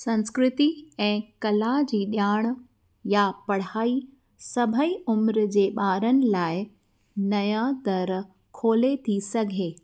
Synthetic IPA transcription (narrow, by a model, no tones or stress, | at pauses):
sɐ̃nskɾɪt̪iɛ̃ːkɐlad͡ʑiːɗjaːɽ̃ | japɐɽ̤aːi | sɐbʱəiʊmɾd͡ʑeːɓaːɾənɪ̆laːɪ | nɐjãd̪ɐɾ | kʰoːlet̪ʰisɐɡʱeː